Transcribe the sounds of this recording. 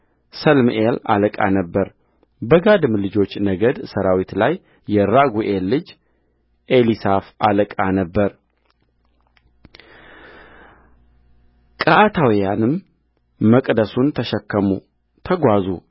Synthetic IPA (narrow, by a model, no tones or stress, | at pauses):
səlmʔela̰ləkʼa̰nəbːəɾ | bəɡad̪ɨmlɨd͡ʒo̞t͡ʃːnəɡəd̪səɾawit̪lajː | ɛɾaɡuʔelːɨd͡ʒ | ʔelisafaləkʼanəbːəɾ | kʼəʔat̪ʰawijanɨmː | əkʼd̪əsunt̪ʰəʃɛkːəmṵ | t̪ʰəɡʷazṵ